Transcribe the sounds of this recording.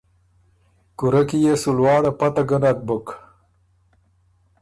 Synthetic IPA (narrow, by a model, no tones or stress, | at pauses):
kuɾɐkijesulwɑːɽɐpɐt̪ɐɡɐnɐt̪̚buk